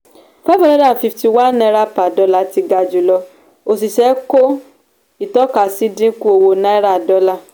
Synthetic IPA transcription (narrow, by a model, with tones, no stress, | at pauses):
fa˦fɔ̃˦nɛ̃˦da˦˨fi˧fti˧wa˦nn˦ɛ˧˦ɾa˦pa˨dɔ˧˦la˧ti˧ɡa˧d͡ʒu˨lɔ˧ | o˨s̬i˨ʃɛ˨˦ko˦ | i˨tɔ˦ka˨si˦dĩ˦ku˦o˧wo˧nã˦i˦ɾa˦˨dɔ˨˦la˦˨